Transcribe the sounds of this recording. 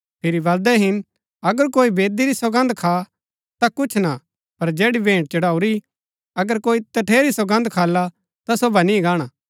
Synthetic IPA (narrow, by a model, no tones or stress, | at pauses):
pʰɪɾiʋɐld̪ɛɦɪn | ɐɡəɾkoːibeːd̪iɾisɐɡɐ̃nd̪kʰaː | t̪akʊt͡ʃʰna | pɐɾd͡ʒeːɽibẽːʈ̚t͡ʃɐɽaːuɾi | ɐɡəɾkoːit̪ɐʈʰeːɾisɐɡɐ̃nd̪kʰaːlːa | t̪asobanĩɡaːɽ̃aː